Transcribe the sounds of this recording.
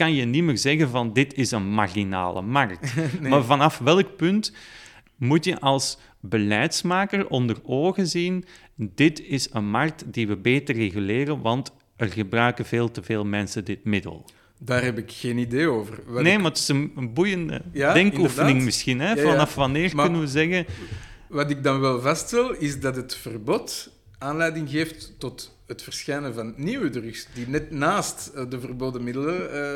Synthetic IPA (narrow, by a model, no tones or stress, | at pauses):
kɑnjənimərzɛɣənvɑndɪtɪsənmarina̰ːlə̰mɑrk̚maːvɑnɑfʋɛlˠk̚pɵnt | mutjəʔɑlˠs | bəlɛjtsmaːkərʔɔndəroːɣəzin | dɪtɪsənmɑrk̚tdiʋəbeːtərːeɣyleːrənʋɑnt | ərɣəbrœɥkənveːlˠtəveːlˠmɛnsədɪtmɪdə̰lˠ | daːrɦɛpɪkxeːnideːoːvərɑneːmaətɪ̥zənənbujəndə̰jadɛŋkufənɪŋmɪsxinɦɛvɑnɑfʋɑnɪːrʏnənʋəzɛɣənʋɑtɪɡ̚dɑnʋɛlˠvɑsttɛlˠɪzdɑtətfərbɔt | aːnlɛjdɪŋɣeːftːɔt | ɦətfərsxɛjnəvɑnːiwədrʏksd̥inɛtnaːstdəvərboːdəmɪdələ